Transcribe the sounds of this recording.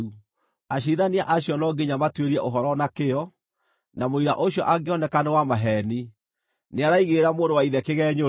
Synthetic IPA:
u | aɕ̬iðaniaʔaɕjɔnɔɡeɲamatweɾiɛʔoɦɔɾɔnakeɔ | namoiɾa̰ʔoɕjɔ̰ʔaɡeɔnɛkanewamaɦɛni | neaɾaiɣeɾamoːndowaiðɛkeɣɛːɲo

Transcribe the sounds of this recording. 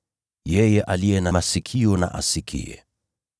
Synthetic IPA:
jɛjɛʔalijɛnamasikʰiɔna̰ʔa̰sikʰḭɛ̰

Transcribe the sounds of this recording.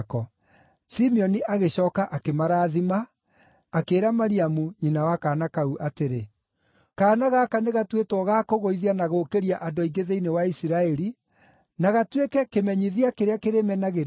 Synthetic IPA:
kɔ | simiɔniʔaɣeɕɔːkaʔakemaɾaːðimaː | keːɾamaɾiamuɲinawakaːnakauʔateɾe | kaːnaɣakaneɣatwetwɔɣakoɣoiðianaɣokeɾiaʔadoiɡeðeinewaisiɾaɛɾi | naɣatwekɛkemɛɲiðiakeɾeakeɾemɛnaɣeɾ

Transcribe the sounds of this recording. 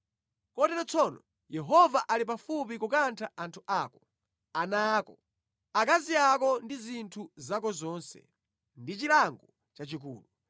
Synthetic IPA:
kɔtɛɾɔt͡sʰɔnɔ̰ | jɛɦɔvaʔalip̬afup̬ikukantʰaʔantʰuʔaːkɔ | anaːkɔ | akaziakɔndizintʰuzakɔzɔːnsɛ̰ | ndit͡ʃilaŋɡɔ | t͡ʃat͡ʃik̬uːlu

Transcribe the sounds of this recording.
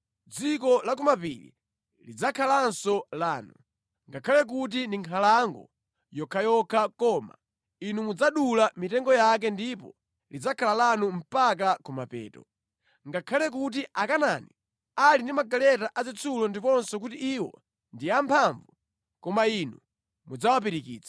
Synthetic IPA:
d͡zikɔlak̬ɔmapḭlḭ | lid͡zakʰalansɔlaːnu | ŋɡakʰalɛk̬ut̬indiŋkʰalaŋɡɔ̰ | jɔkʰajɔkʰakɔːma̰ | inumud͡zaɗulamitɛŋɡɔjak̬ɛndipɔ̰ | lid͡zakʰalalanum̩pak̬akɔmapɛ̰ːtɔ | ŋɡakʰalɛk̬ut̬iʔakanaːni | alindimaɡalɛtaʔazit͡sʰulɔndipɔnsɔkutiːwɔ̰ | ndiampʰaɱvu | kɔmainu | mud͡zawapiɾikḭːt͡sḁ

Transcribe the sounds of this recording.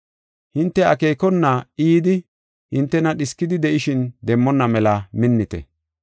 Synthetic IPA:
hɪnt̪ːɛɐke̞ːkɔnːɐiːd̪ɪ | hɪnt̪ːɛnɐɗɪskːɪd̪ɪd̪ɛʔɪʃɪnd̪ɛmːɔnːɐmɛlɐmɪnːɪt̪ɛ̰

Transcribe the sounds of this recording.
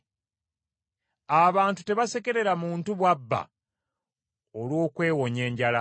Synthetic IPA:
aβaːntu̥te̞βaseke̞ɾe̞ɾamuːntuβwabːa̰ | olwo̞ːkwe̞ːwo̞ɲe̞ːɲɟala

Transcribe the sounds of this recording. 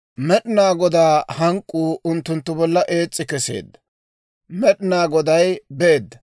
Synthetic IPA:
mɛɗɪnaːɡɔd̪aːhɐŋkʼːuːʊnt̪ːʊnt̪ːʊbɔlːɐʔe̞ːt͡sʼːɪkɛsḛːd̪ːɐ̥ | mɛɗɪnaːɡɔd̪ɐjbe̞ːd̪ːɐ

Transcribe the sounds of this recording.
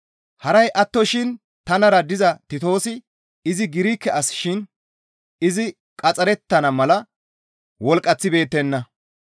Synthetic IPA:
hɐɾɐjʔɐt̪ːɔʃɪn | t̪ɐnɐɾɐd̪ɪzɐt̪ɪt̪o̞ːsɪ | ɪzɪɡɪɾiːkːɛɐsʃɪn | ɪzɪ | kʼɐt͡sʼɐɾɛt̪ːɐnɐmɐlɐ | wɔlkʼːɐt͡sːɪbe̞ːt̪ːɛnːɐ

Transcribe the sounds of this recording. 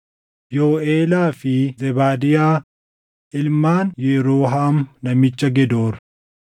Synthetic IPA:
joːeːlaːfɪzɛbaːd̪ɪjaː | ʔɪlmaːnjɛɾoːɦaːmnɐmɪt͡ʃːɐɡɛd̪oːɾ

